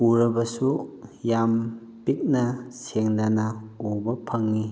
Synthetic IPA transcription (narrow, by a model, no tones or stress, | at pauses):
uɾɐbɐsujam | pik̚nɐseŋdanɐubɐpʰɐŋːi